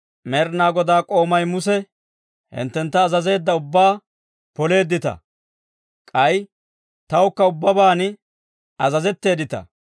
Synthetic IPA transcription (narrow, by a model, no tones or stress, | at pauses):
mɛɾnaːɡɔd̪aːkʼo̞ːmɐjmʊsɛ | hɪ̰nt̪ːɛnt̪ːɐːzɐze̞ːd̪ːɐʊbːaː | pɔle̞ːd̪ːɪt̪ɐ̰ | kʼɐj | t̪ɐwkːɐʊbːɐbaːn | ɐzɐzɛt̪ːe̞ːd̪ɪt̪ɐ̰